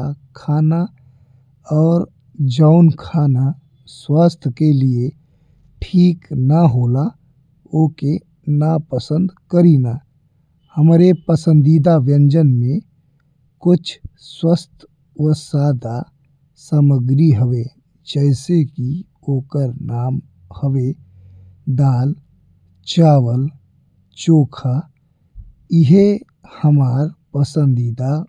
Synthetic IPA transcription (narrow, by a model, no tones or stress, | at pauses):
kʰaːna | ɔːɾ | d͡ʒəʊnkʰaːna | swaːst̪ʰkelie | ʈʰiːknaɦoːla | oːke | napəsə̃nd̪kəɾiːnaː | həmɾepəsə̃nd̪iːd̪aʋjə̃ɲd͡ʒənmẽ | kʊt͡ʃʰswəst̪ʰ | ʋəsaːd̪a | səməɡɾiɦəʋe | d͡ʒɛːseki | oːkəɾnaːm | həʋe | d̪aːl | t͡ʃaːʋəl | t͡ʃoːkʰa | ɪɦe | həmaːɾpəsə̃nd̪iːd̪a